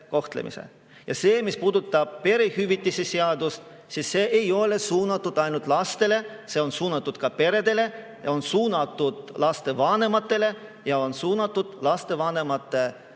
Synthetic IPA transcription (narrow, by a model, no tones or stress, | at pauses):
ko̞ht̪lḛmḭsḛ | jɑse̞ːmispuːd̪ut̪ːˑɑb̥̚pe̞ɾehyvit̪ʲːˑiseseɑd̪ust̪ | sisːe̞ːʔejo̞le̞suːnɑt̪ːˑud̪ɑjnult̪ˑlɑst̪e̞le̞se̞o̞nsuːnɑt̪ˑːud̪̥kɑpe̞ɾe̞d̪e̞le̞ | jɑonsuːnɑt̪ːˑud̪̥lɑst̪e̞vɑne̞mɑt̪ˑːe̞le̞ | jɑo̞nsuːnɑt̪ːˑud̪̥lɑst̪e̞vɑne̞mɑt̪ːˑe̞